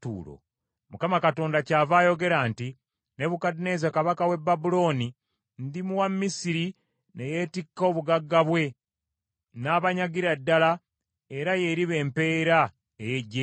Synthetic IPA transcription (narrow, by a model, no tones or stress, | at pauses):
tṵːlo̰ | mukamakato̞ːndacaːvaːjo̞ɡe̞ɾanti | ne̞βukadine̞zakaβakawe̞bːabulo̞ːni | ndimuwamːisiɾi | ne̞jetikːo̞ːβuɡaɡːaβwe̞ | naːβaɲaɡiɾadːala | eɾaje̞ɾiβe̞ːmpe̞ːɾa | ejeɟːe